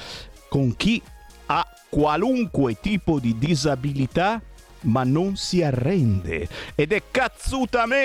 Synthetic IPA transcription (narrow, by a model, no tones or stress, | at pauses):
koŋk̟i | a | kwaluŋkwet̪iːpod̪id̪izabilit̪a | manːoŋsiarːɛnd̪ḛɛd̪ɛkːat̪sut̪amɛ